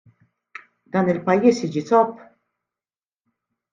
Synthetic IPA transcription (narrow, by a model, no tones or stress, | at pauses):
d̪̥ɐːnɪlpɐjːiːsiːd͡ʒit̪ɔpː